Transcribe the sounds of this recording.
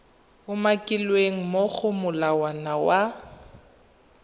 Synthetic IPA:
ʊmakʼilweŋ̩mok͡xʊmʊlawanawa

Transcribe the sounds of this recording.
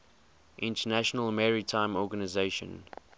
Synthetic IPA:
ʔɪ̃ntənæʃənəlmɛɹitʰãɪ̃mɔɡənazeɪʃə̰̃n

